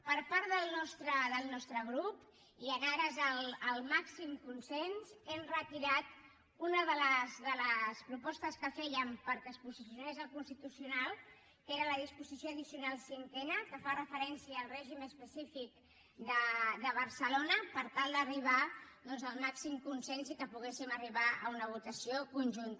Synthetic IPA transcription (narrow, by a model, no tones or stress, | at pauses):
pəɾpaɾt̪ðəlˠnɔst̪ɾəðəlˠnɔst̪ɾəɣɾup | iənaɾəzələlˠmaksimkunsenzɛmrət̪iɾat̪ | unəðələzðələspɾupɔst̪əskəfɛjəmpəɾkəspuzisjiunezəlkunst̪it̪usiunalˠ | keɾələðispuzisjoəðisiunalˠsiŋkɛnəkəfarəfəɾɛnsiəːlˠrɛʒiməspəsifik̚ | d̪əd̪əβ̞əɾsəlonəpəɾt̪alˠd̪əriβ̞ad̪ɔnzəlˠmaksimkunsɛnsikəpuɣ̞esiməriβaə̰unəβ̞ut̪əsiokunʲʒunt̪